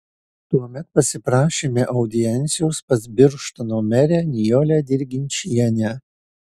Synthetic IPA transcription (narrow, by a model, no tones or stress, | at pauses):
t̪uɔmʲɛt̪̚pɐsʲɪpɾɑːʃʲeːmʲeʔɒʊd̪ʲɪjɛnʲt̪sʲɪjoʊspɐzʲbʲɪɾʃt̪ɐnoːmʲɛɾʲæːnʲɪjoːlʲæd̪ʲɪɾʲɡʲɪnʲt͡ʃʲiɛnʲæː